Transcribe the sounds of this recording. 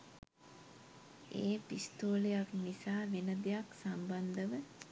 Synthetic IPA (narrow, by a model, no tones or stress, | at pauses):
eːpist̪oːlejaknisaːʋenəd̪ejaksamband̪əʋə